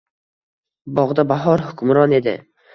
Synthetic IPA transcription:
bɒʁd̪abaɦɒɾhʊkʰʊmɾɒne̞d̪ɪ̰

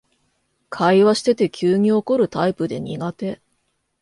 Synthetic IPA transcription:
kʰaiβaɕi̥t̪e̞t̪e̞kʲʰɨːɲ̟io̞ko̞ɾɯ̟t̪aipɯ̟d̪e̞ɲ̟iɡat̪e̞

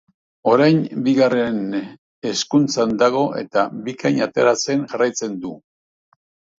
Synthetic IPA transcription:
o̞ɾajnbiɣare̞n | e̞skunt͡sand̪aɣ̞o̞ʔe̞̰t̪abikaɲat̪e̞ɾat͡se̞ŋʝarajt͡se̞nd̪u

